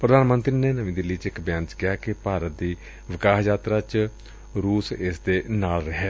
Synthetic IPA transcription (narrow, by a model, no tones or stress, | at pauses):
pɾəd̪aːnmə̃nt̪ɾiːneːnəmĩd̪ɪlːiːt͡ʃɪkbjãːnt͡ʃkɪjaːkɪpaːɾət̪̚d̪iː | ʋɪkaːɦjaːt̪ɾaːt͡ʃ | ɾuːsɪsd̪eːnaːlɾəɦɛː